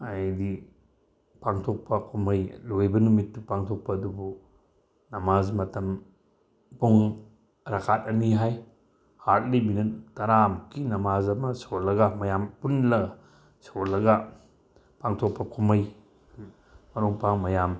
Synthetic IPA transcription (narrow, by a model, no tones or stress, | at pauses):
ajdi | paŋtʰok̚pɐkʰumɐjlojbɐnumitːupaŋtʰok̚pɐːdubu | nɐmazmɐtɐm | puŋ | ɾakʰat̚ɐniɦaj | hat̚libinɐt̚tɐɾamkʰinɐmazɐmɐsolɐɡamɐjampunlɐɡa | solːɐɡa | paŋtʰok̚pɐkʰumɐj | mɐɾuŋpaŋmɐjam